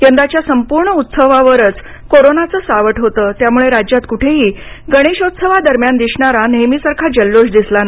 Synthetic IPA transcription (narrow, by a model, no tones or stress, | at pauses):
jənd̪at͡ɕjasəmpuɾɳəut̪səʋaʋəɾət͡s | koɾonat͡səːsaʋəʈɦot̪əːt̪jamuɭeɾad͡ʑjat̪kuʈʰeɦiːɡəɽ̃eɕot̪səʋad̪əɾmjand̪iɕɳaɾanejmisəɾkʰad͡ʑəlːoɕd̪islana